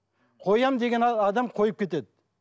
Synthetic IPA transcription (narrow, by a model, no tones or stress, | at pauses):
qʰo̞jɑmd̪e̞ɡʲe̞nɑd̪ɑmqʰo̞jəp̚kʲʰe̞t̪e̞d̪ɪ